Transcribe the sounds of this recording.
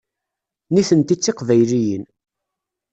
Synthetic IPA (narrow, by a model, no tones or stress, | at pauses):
niθənt̪it͡sːɪqvæjlijən